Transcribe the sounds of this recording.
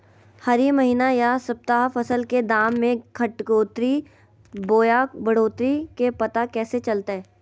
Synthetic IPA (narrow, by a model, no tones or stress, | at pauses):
hɐɾimɐɦiːnajasɐp̚t̪aːɦfɐsəlked̪aːmːẽkʰɐʈkoːt̪ɾi | boːjabɐɽ̤oːt̪ɾikepɐt̪akɛːset͡ʃɐlt̪aɦɛː